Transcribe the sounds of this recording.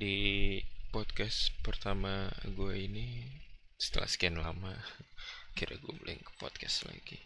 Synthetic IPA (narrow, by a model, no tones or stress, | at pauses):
di | pɔt̪̚kɛspərt̪amaɡuaini | sə̥t̪əla̰hskanlama | kiɾaɡuamlʔɪ̰ŋkə̥pɔt̪̚kɛsla̰ɡi